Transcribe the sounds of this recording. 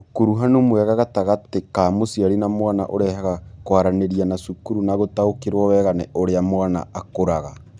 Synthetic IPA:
ukuɾuɦanomwɛɣaɣataɣatekaːmosiaɾinamwana̰ʔoɾɛhaɣakwaɾaneɾianasukuɾunaɣotaokeɾwɔwɛɣanɛʔoɾeamwana̰akoɾaɣa

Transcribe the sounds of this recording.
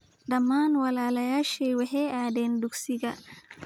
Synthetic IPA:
dɐmaːnwɐlaːlɐjaːʃɛjwɛɦɛadɛnduksiɡɐ

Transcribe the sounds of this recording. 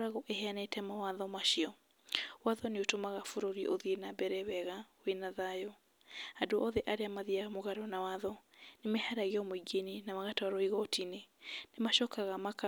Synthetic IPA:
ɾaɣɔʔeheanɛtɛmawaðɔmaʃiɔ | waðɔneotomaɣafoɾoɾiʔoðienabɛɾɛwɛɣawenaðajɔ | adoʔɔðɛʔaɾeamaðiaɣmoɣaɾɔnawaðɔnemɛhaɾaɣeɔmoiɡeninamaɣataaɾɔiɣɔtʰinenemaʃɔkaɣamaka

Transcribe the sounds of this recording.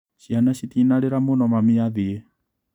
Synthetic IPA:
ʃianaɕit̪inaɾeɾamonɔmamiaðie

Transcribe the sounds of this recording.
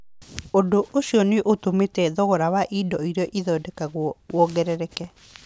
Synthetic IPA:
odoʔoɕiɔneʔotometɛðɔɣɔɾawaʔidɔiɾeɔʔiðɔːdɛkaɣwwɔɡɛɾɛɾɛkɛ

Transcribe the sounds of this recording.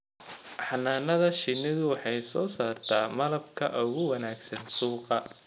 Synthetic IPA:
ħɑnːaːnɐðɐʃɪnːɪðʊwɑħɑjsɔːsaːrt̪ʰaːmɐlɐbkʰɐ̰ʔʊɣʊwɐnaːɡsɐnsuːqɑ

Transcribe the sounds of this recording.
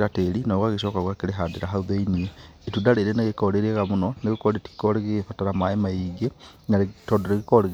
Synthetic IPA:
ɾateɾinoɣwaɣeʃokaɣwakeɾeɦadeɾaɦauðainie | itudaɾeiɾeneɣekoɾeɾeɣamunoneɣekoɾeti̥koɾeɣeɣefataɾamaemaiɡe | naɾetodoɾeɣikoɾeɣ

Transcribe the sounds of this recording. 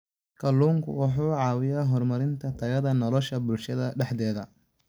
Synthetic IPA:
kʰɐlːuːŋkʰʊ̰wɑħuːʕɑːwɪjaːɦɔrmɐɾɪnt̪ʰɐt̪ʰɐɣɐðɐnɔlɔʃɐbʊlʃɐðɐɖɛħd̪ɛːðɐ

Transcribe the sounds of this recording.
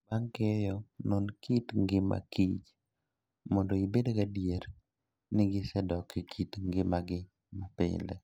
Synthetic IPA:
baŋkɪjɔnonkitŋɡɪma̰kit͡ʃ | mɔndoibedɡadijeɾ | nɪɡɪsɛdɔkikʰitŋɡɪmaɡɪ | mapɪ̰lɛ̰

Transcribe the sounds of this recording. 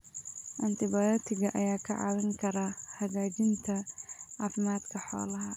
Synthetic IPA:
ʔɐnt̪ɪbajɔːt̪ʰɪɡɐʔɐjaːkʰɐʕa̰wɪŋkʰɐɾɐhɐɡaːd͡ʒɪnt̪ʰɐʕaːfɪmaːd̪kʰɐħɔ̰ːlɐɦɐ

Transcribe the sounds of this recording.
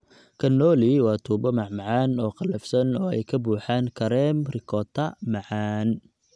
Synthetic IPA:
kʰɐnːɔːliwɑːt̪ʰuːbɔmɑʕmɑʕɑːnɔːqɑlɐfsɐnɔːɛ̰jkʰɐbuːħaːŋkʰɐɾɛːmrɪkʰɔːt̪ʰɐmɑʕaːn

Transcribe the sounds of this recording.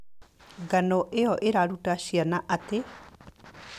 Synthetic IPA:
ɡanɔʔeɔʔeɾaɾutaʃianaʔate

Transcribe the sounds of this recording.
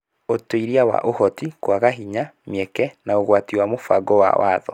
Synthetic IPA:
otoiɾiawa̰ʔohɔtikwaɣaɦiɲamjɛkɛnaoɣwatiwamofaɡɔwa̰wa̰ːðɔ̰

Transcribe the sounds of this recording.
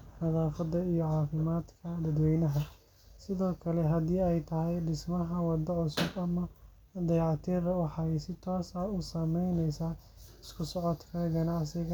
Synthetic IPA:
ħɐðaːfɐd̪ɐijɔʕɑːfɪmaːd̪kʰɐd̪ɐd̪wɛjnɐɦɐ | sɪðɔːkʰɐlɛɦɐd̪iːɛjt̪ʰɐɦɛjɖɪsmɐɦɐwɑd̪ɐʕʊsʊbɐmɐ | d̪ɐjʕɑt̪ʰɛːðɐwɑħɑjsɪt̪ʰɔːsɐʊsɐmɛjnɛjsaː | ɪskʰʊsɔʕɔd̪kʰɐɡɐnɑʕsɪɣɐ

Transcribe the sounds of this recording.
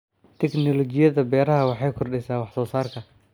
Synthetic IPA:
t̪ʰɛknɔlɔt͡ʃɪjɐðɐbɛːɾɐɦɐwɑħɑjkʰɔrɖɛsaːwɑħsɔːsaːrkʰɐ

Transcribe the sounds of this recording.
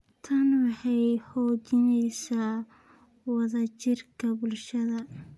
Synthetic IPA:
t̪ʰɐnwɑħɑjhɔːt͡ʃɪnɛjsaː | wɑðɐt͡ʃɪrkʰɐbʊlʃɐðɐ

